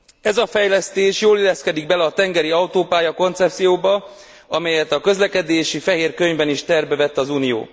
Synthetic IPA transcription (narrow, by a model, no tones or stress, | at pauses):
ɛzɒfɛjlɛst̪eːʃjoːlilːɛskɛd̪iɡ̚bɛlɛɒt̪ɛŋɡɛɾiɒut̪oːpaːjɒko̞nt̪sɛp̚t̪sijoːbɒ | ɒmɛjɛt̪ɒkø̞zlɛkɛd̪eːʃifɛɦeːrkøɲvɛniʃt̪ɛrbɛvɛt̪ːɒzuːnijo̰ː